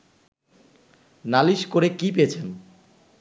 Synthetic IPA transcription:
naliʃkoɾekip̬eet͡ɕʰen

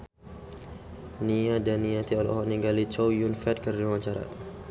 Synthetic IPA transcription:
niadanːiat̪iɔlɔ̰hɔʔniɡalit͡ʃɔwjunfɛt̪̚kərlimat͡ʃaɾa̰

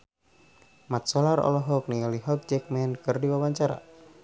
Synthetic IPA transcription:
mat̪̚sɔlaɾɔ̰lɔɦɔk̚niliɦɔk̚d͡ʒɛk̚mɛnkɨrdiwawaɲt͡ʃaɾa̰

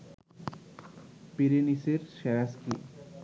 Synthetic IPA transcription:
peɾeniseɾʃɛɾaskḭ

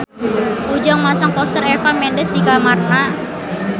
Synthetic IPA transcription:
ʔud͡ʒɔŋmasaŋpɔst̪əɾɛfanmɛndəsd̪ikamarna

